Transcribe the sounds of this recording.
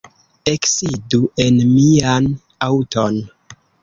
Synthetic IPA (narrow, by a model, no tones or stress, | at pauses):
e̞ksiduʔe̞nmian | awto̞n